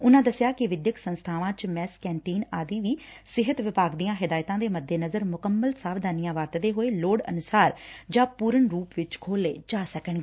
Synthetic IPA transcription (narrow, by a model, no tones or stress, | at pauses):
ʊnãːd̪əsjaːkɪʋɪd̪jəksənst̪ʰaːʋãːt͡ʃmɛːskɛːɳʈiːnaːd̪iːʋiː | sɪɦət̪ʋɪpaːɡd̪ijãːɦɪd̪aːjt̪ãːd̪eːməd̪ʱːeːnəzəɾmʊkəmːəlsaːʋd̪aːnijãːʋaːɾt̪ːd̪eːɦoːeːloːɽə̰nʊsaːɾd͡ʒãːpuːɾəɳɾuːpʋɪt͡ʃkʰoːlḛːd͡ʒaːsəkəɳɡeː